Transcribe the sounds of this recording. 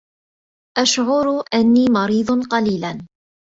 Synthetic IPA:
ʔaʃʕʊɾʔanːiːmɑɾiːd̪ˤnqɑliːlan

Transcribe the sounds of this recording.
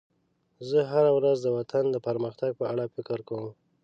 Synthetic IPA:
zəɦaɾawɾazd̪əwat̪ʰand̪əpəɾməxt̪aɡ̚pəaɽafɪkɪɾkawəm

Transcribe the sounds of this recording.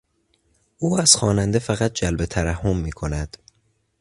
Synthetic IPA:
ʔuːæz̥xɒːnænd̪efæɣæt̪̚d͡ʒælbe̞t̪ʰæɾæhːo̞mːiːkʰo̞næd̪̥

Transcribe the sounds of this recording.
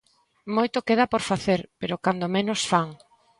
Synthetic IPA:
mojt̪okeð̞apoɾfaθeɾpeɾokand̪omenosfaŋ

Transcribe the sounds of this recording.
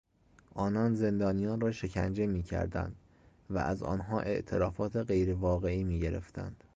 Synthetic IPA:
ʔɒːnɒːnze̞nd̪ɒːnijɒːnrɒːʃe̞cʰæ̰nd͡ʒe̞miːcʰæ̰ɾd̪æ̰nd̪̥ | væ̰ʔæzɒ̰ːnɦɒːʔe̞ʔt̪ʰe̞ɾɒːfɒːt̪ʰeɣe̞jɾevɒːɣe̞iːmiːɟe̞ɾe̞̰ft̪æ̰nd̪̥

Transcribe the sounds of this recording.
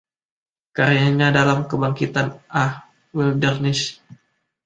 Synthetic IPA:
kaɾijaɲadalamkəbaŋkit̪anʔah | wildərnɪs

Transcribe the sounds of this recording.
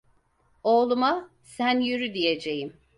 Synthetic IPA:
oːlˠuma | sænjyɾyd̪ije̞d͡ʒe̞jim

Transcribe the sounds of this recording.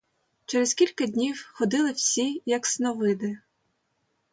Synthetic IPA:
t͡ʃɛɾeskʲilʲkɐdʲnʲiwxɔd̪ɪlˠɪwsʲijɐksnɔʋɪd̪ɪ

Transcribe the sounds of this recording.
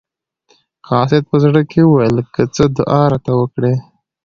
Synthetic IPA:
kɑsɪd̪̚pəzɽəkʰeuwajəlkət͡səd̪ʊʔɑɾat̪awəkɽe

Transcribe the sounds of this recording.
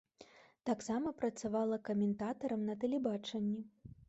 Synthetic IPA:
t̪aksamɐpɾɐt̪savalˠɐkɐmʲɛnt̪at̪ɐɾɐmnɐt̪ɛlʲɛbat͡ʂɐnʲːi

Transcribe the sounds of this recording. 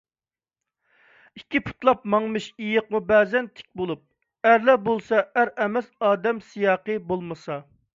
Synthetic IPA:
ikʲʰːipʰu̥t̪lˠɑp̚mɑŋmɨʃijəqmubɛːzɛnt̪ʰɪ̥k̚ʲbolˠup̚ | æɾlɛbolˠsɑæɾɛmɛsɑːd̪ɛmsijɑːqəbolˠmɨsɑ

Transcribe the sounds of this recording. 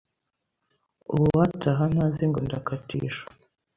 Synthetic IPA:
ṵβuwatʰaɦan̥haziŋɡondakatḭːʃḁ

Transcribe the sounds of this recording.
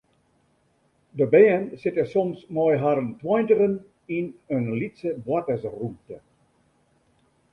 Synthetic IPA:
dəbɛənsɪtəsɔmsnɔjɦaɾəntwɔjntərən | ɪnənlitsəbwatəsrutə

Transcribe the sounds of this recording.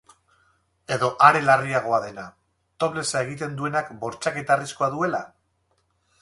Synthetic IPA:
e̞ðo̞ʔaɾe̞lariaɣ̞o̞aðe̞na | t̪o̞βle̞sae̞ɣ̞it̪e̞nd̪ue̞nakbo̞ɾt͡ʃake̞t̪arisko̞aðue̞la

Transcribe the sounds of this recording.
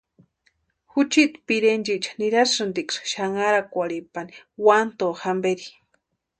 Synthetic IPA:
xut͡ʃit̪piɾend͡ʒiʔt͡ʃḁniɾasɾɨnd̪iksʃaŋaɾakʷaɽipaniwant̪oxambeɾi

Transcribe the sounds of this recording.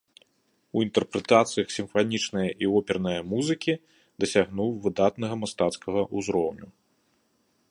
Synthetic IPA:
uint̪ɛrpɾɛt̪at̪sɨjɐxsʲimfanʲit͡ʂnɐjɐʔiɔpʲɛrnɐjɐmuzɨkʲi | d̪ɐsʲaɣnuwvɨd̪at̪nɐɣɐmast̪at̪skɐɣɐʔuzɾɔwnʲu

